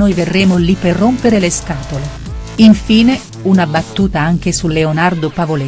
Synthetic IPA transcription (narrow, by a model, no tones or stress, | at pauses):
ojverːeːmolipːerːompeɾeleskaːt̪ole | iɱfiːne | unabat̪ːuːt̪aaŋk̟esulːeonard̪opavole